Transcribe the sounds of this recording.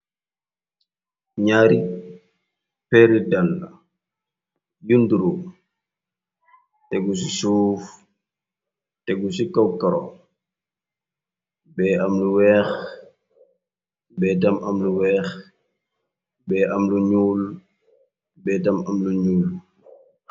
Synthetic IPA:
ɲaːɾi | pɛɾidalːa̰ | ɟunduɾu | tɛɡusisuːf | tɛɡusikawkaɾɔ̰ | bɛːʔamluwɛːx | bɛːt̬amʔamluwɛːx | bɛːʔamluɲuːl | bɛtamamluɲuːl

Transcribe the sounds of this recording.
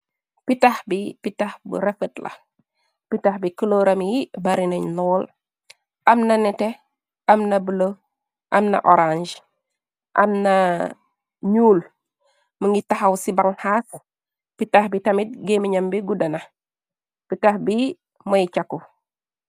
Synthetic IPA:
pitaxbipitaxbṵɾɛfətlɐ̰ | pitaxbikəloːɾɐmjibɐɾinɐɲnɔːl | ʔɐmnɐnɛtɛ | ɐmnɐbəlo | ʔɐmnɐ̰ʔɔɾand͡ʒ | ʔɐ̰mnɐ | ɲuːl | məŋitaxɐwsibaŋhaːs | pitaxbitɐmit̚ɡemiɲɐmbiɡudɐnɐ | pitahbi | mɐjt͡ʃakːu

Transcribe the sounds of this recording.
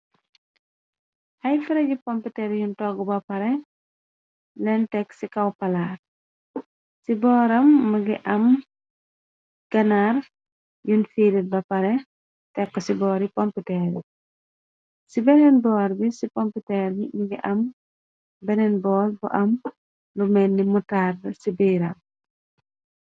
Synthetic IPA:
hɐjfiɾɐɟipɔmpitɛɾjuntɔɡubɐpɐɾɛ | lɛntɛksikɐwpɐlaːr | sibɔːɾɐmːɐɡiʔɐm | ɡ̥ɐnar | junfilit̚bɐpɐɾɛ | tɛkːɔsibɔːɾipɔmpitɛɾḭ | sibɛnɛnbɔːɾbisipɔmpitɛɾbimiɡiʔɐm | bɛnɛnbɔːlbuʔɐm | lumɛnːimutardɐsibijɾɐm

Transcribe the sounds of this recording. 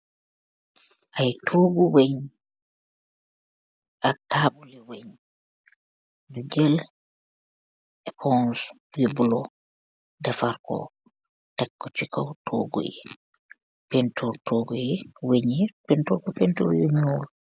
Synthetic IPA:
ʔajtʰoːɡuweɲ | ʔatːaːɓuliweɲ | duɡɛl | ɛkʰɔns | wibulɔ | dafaɾkɔ̰ | takːɔt͡ʃikawtʰoɡṵjɛ̰ | pɛntʰɔɾtʰoɡujɛweɲɛpɛntɔɾkɔpɛnto̰ɾweɲol

